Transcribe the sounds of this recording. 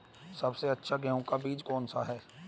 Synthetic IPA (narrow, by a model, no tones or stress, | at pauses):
sɐbseɐtːʃʰaɡɛɦʊ̃kabiːd͡ʒkɔːnsaɦɛː